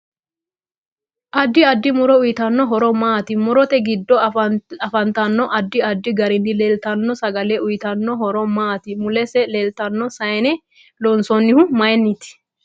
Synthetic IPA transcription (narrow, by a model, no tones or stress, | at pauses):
ʔɐd̪ːɪɐd̪ːɪmʊɾɔʊjɪt̪ɐnːɔɦɔɾɔmaːt̪ɪmʊɾɔt̪ɛɡɪd̪ːɔɐfɐnt̪ɐnːɔʔɐd̪ːɪɐd̪ːɪɡɐɾɪnːɪleːlt̪ɐnːɔsɐɡɐlɛʔʊjɪt̪ɐnːɔɦɔɾɔmaːt̪ɪmʊlɛsɛleːlt̪ɐnːɔsɐjɛnɛ | lɔnsɔnːɪhʊmɐjnːɪt̪ɪ̥